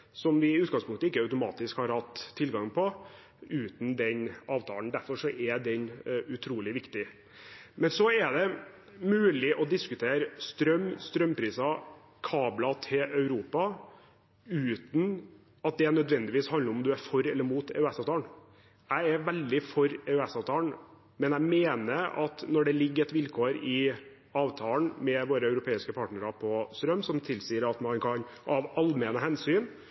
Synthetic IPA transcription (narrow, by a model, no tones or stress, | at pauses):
sɔmʋɪʉːt̪ɡɑŋspʰʊŋkt̪əɪkːəœʉt̪ʊmɑːt̪ɪskhɑɾhɑt̪ʰːɪlɡɑŋpʰɔ | ʉːt̪nd̪ɛnɑːʋt̪ʰɑ̰ːlnd̪æɾfɔɾʂɔʔɛd̪ɛɲʉt̪ʰɾuːlɪʋɪkt̪ɪ | mɛnsɔæd̪ɛ | mʉːlɪʔɔd̪ɪskʉt̪ʰeːɾst̪ɾœmːst̪ɾœmːpʰɾiːsɑ | kʰɑːblɑt̪ʰɪʔœʉɾuːpɑ | ʉːt̪n | ɑt̪̚d̪ɛnœd̪ʋɛnd̪ɪʋiːshɑnd̪ləɾɔmd̪ʉæɾfɔɾɛlːəɾmuːt̪ʰɛ̰ʉɛsɑːʋt̪ɑːɳ | æɪæɾʋɛld̪ɪfɔɾɛʉɛsɑːʋt̪ʰɑːɳ | mɛnæɪmeːnəɾɑt̪nɔɖɛlɪɡːəɾɛt̪ʋɪlkʰoːɾɪ | ɑːʋt̪ʰɑːlnmɛʋoːɾəœʉɾʊpʰeːɪskəpʰɑːʈɳəɾɑpʰɔst̪ɾœmsɔmt̪ʰɪlsiːəɾɑt̪mɑnkʰɑnɑʋɑlmɛnəhɛnsyːn